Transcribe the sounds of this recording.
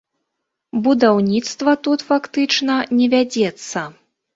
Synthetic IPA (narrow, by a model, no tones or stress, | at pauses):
bud̪awnʲit̪st̪vɐt̪ut̪fakt̪ɨt͡ʂnɐnʲɛvʲad͡zʲɛt̪sːɐ